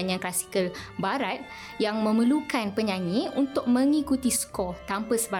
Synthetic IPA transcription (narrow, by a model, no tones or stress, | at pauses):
ɲãnklasi̥kəlbaɾat̪̚ | jaŋmə̃məlukanpəɲãŋiʔunt̪ʊk̚mə̃ŋikut̪isə̥kɔt̪ampəsəba